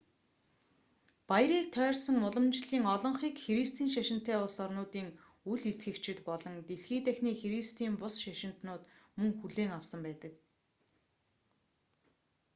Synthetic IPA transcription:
paj̆ɾiːk̚t̪ʰœːrsə̆ŋʊɮɞ̆mt͡ɕɮiːŋɔɮɞ̆ɴχiːkxeɾist̪ʰiːnʃæʃɪ̆n̥t̪ʰːæːʊɮsɔrnʊːt̪iːŋ | uɮit̪ɡɘ̆kt͡ɕɪ̆t̪pɔɮɞ̆nt̪eɮxiːt̪æxniːxeɾist̪ʰiːmpʊsʃæʃɪ̆n̥t̪nʊːt̪mɵŋxuɮeːŋawsə̆mpæːt̪ə̆k̚

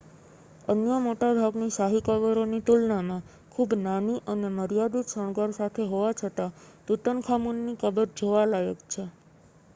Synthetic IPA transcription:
ənjəmoʈab̪ʱaɡnisaɦikəʋəɾonit̪ulnamã | kʰubnaniʔəneməɾjad̪usəɳ̃ɡaɾsat̪ʰeɦoʋat͡ʃʰət̪at̪ut̪ənkʰamunːikəbəɾd͡ʒʱoʋalaɡəkt͡ʃʰe

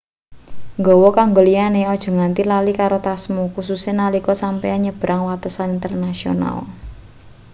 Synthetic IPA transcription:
ŋɡɔwɔkaŋɡolianeɔd̥ʒ̥ɔ̤ŋant̪ilalikaɾot̪asmukususenalikɔsampɛaɲəb̥ɾʔaŋwat̪əsanint̪ərnasio̰na̰l

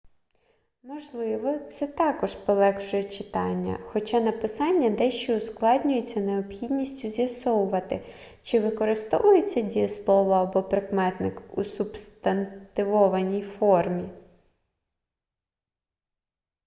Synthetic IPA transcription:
mɔʒlˠɪʋɔt̪sɛt̪ɑkɔʃpɔlˠɛkʃɔjɛt͡ʃɪ̥t̪ɑ̰nʲːɐ̰xɔt͡ʃɑnɐpɪsɑnʲːɐd̪ɛʃt͡ʃɔʊsklˠɑdʲnʲʊjet͡sʲːɐneɔpxʲidʲnʲisʲtʲʊzʲjɐsɔwʊʋɐt̪ɪ | t͡ʃɪʋɪkɔɾɪst̪ɔ̰ʋʊjet͡sʲːɐdʲijɐslˠɔʋɔɐbɔpɾɪkmɛt̪nɪkṵsubst̪ɐnt̪ɪʋɔʋɐnʲijfɔrmʲi

